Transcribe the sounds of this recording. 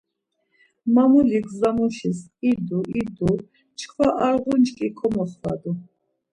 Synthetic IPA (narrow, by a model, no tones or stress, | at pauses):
mamuliɡzamɔʃisid̪uʔid̪u | t͡ʃʰkʰvaʔaɾʁunt͡ʃkʼikʰɔmɔχχa̰d̪u